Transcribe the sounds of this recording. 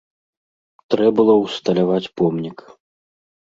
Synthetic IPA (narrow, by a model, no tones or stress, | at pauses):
t̪ɾɛbɨlˠɔwst̪ɐlʲavat͡sʲpɔmnʲik